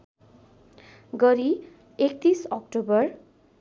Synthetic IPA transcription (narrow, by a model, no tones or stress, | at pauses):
ɡʌɾi | ek̚t̪isʌkʈobʌr